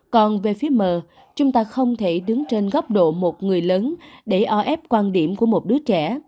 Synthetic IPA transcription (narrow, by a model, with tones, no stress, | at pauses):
kɔ˨˩nve˨˩fi˨˦əməː˨˩ | t͡ɕʊ˨˦wŋ͡mt̪aː˧xə˧wŋ͡mt̪ʰe˧˩ɗɨ˨˦ŋt͡ɕe˧nɣɔ˦˥wk͡p̚ɗo̰˧˨mo˨˩t̚ŋɨ˨˩əjləː˨˦nɗe˧˩ʔɔ˧ʔɛ˦˥p̚kwaː˧nɗi˧˩əmku˧˩əmo˨˩t̚ɗɨ˨˦ət͡ɕɛ˧˩